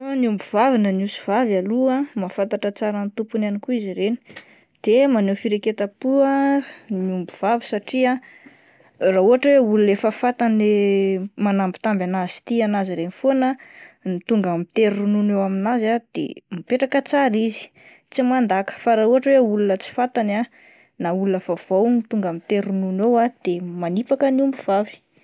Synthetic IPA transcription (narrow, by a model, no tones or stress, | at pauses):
niumbuvavinənusi̥v̥avaluamafant̪aʈ͡ʂət͡saɾant̪upunanikuiziɾeni̥ | d̪̥emanewfiɾeket̪apuaniumbuvavi̥saʈ͡ʂia | rauɦaʈ͡ʂəweulunefafat̪anemanambi̥t̪ambanaz̥i̥t̪ianaziɾenifonənit̪uŋɡamit̪eɾununewaminazad̪̥ḛmipeʈ͡ʂakət͡saɾizi̥ | t͡simand̪akə̥faɾauɦaʈ͡ʂəweulunət͡si̥fat̪ana | naulunəfav̥awnit̪uŋɡamit̪eɾununewad̪̥emanipakəniumbuv̥avi̥